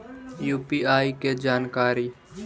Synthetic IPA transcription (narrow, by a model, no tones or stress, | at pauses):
juːpiːaːiked͡ʒaːnkaːɾiː